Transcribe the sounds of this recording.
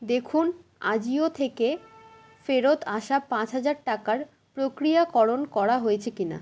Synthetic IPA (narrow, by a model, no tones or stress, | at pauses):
d̪ekʰun | a̰d͡ʑiot̪ʰeke | feɾot̪aʃapãt͡ɕɦad͡ʑaɾʈakaɾ | pɾokɾijakɔɾonkɔɾaɦojet͡ɕʰekina̰